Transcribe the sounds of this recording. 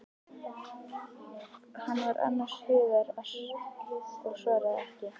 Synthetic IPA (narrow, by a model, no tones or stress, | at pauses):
hanːvaɾʔa̰nːaʂhʏːðaɾaʂ | ɔɣʂvɛːɾaɛhcɪ